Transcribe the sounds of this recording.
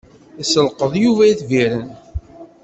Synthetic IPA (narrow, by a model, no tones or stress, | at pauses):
isəlqəðˤjuvæjiθviɾən